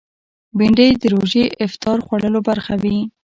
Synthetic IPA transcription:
biɳɖəjd̪əɾoʒeʔɪft̪ɑɾxwaɽəlobaɾxawi

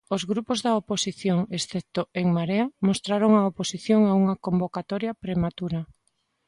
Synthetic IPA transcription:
ozɣɾupozðɐoposiθjoŋesθɛp̚t̪oeŋmaɾeɐmost̪ɾaɾoŋaoposiθjoŋauŋɐkombokat̪ɔɾjɐpɾemat̪uɾɐ

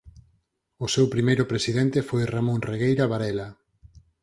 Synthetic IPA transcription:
ʊsewpɾimejɾʊpɾesiðɛnt̪efojramõnreɣejɾaβaɾɛla

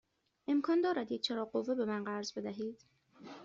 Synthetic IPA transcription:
ʔe̞mkʰɒːnd̪ɒːɾæd̪jec̚t͡ʃʰeɾɒːɢovːebe̞mænɢæɾzbe̞d̪æɦiːd̪̥

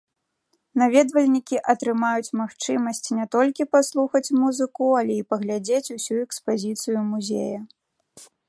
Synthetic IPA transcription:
navʲɛd̪vɐlʲnʲikʲiʔɐt̪ɾɨmajut͡sʲmaxt͡ʂɨmɐsʲt͡sʲnʲɛt̪ɔlʲkʲipaslˠuxɐt͡sʲmuzɨkualʲɛipɐɣlʲad͡zʲet͡sʲusʲuɛkspazʲit̪sɨjumuzʲḛjɐ

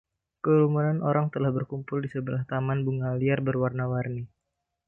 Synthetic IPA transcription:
kəɾumunanʔoɾaŋt̪əlahbərkumpʊldisəbəlaht̪amanbuŋaliarbərwarnawarni

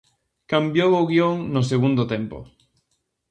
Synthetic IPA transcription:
kambjowoɣioŋnos̬eɣ̞und̪ot̪ɛmpo̰

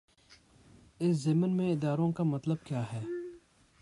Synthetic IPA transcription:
ɪszɪmnmẽɪd̪aːɾõkamɐt̪ləb̚kjaːɦɛː

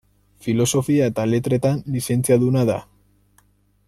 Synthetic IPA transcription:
filo̞so̞fiae̞t̪ale̞t̪ɾe̞t̪anlise̞nt͡siaðunaða̰

